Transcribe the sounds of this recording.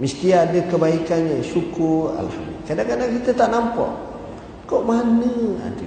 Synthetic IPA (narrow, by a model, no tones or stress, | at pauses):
məst̪iaːdəkəbaikanasukua̰lha̰md̪ṵlḭkadaŋkadaŋkit̪ət̪aʔnampa̰ʔ | koʔmanəa̰nt̪i